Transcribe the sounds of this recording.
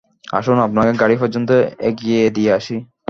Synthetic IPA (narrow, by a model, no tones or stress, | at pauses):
a̰ʃonapnakeɡaɽipɔɾd͡ʑont̪oḛɡied̪ijeaʃi